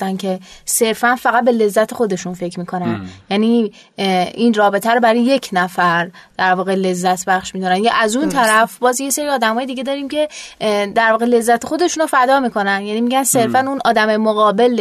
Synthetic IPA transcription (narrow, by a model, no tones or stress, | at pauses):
æncʰe̞se̞ɾfænfæɣæt̪̚be̞le̞zːæt̪ʰe̞xo̞d̪e̞ʃunfe̞cʰmiːkʰo̞nænjæni | iːnrɒːbe̞t̪ʰæɾobæɾijje̞cʰnæfæɾd̪̥æɾvɒːɣele̞zːæt̪ʰbæχʃmiːd̪onænjɑʔæzunt̪ʰæɾæfbɒːzje̞seɾiːɒːd̪æmɒːjed̪iːɟe̞d̪ɒːɾiːmcʰe̞d̪æɾvɒːɣe̞le̞zːæt̪ʰexo̞d̪e̞ʃunofæd̪ɒːmiːkʰo̞nænjæniːmiɟænse̞ɾfænunɒ̰ːd̪æmemoɣɒːbe̞l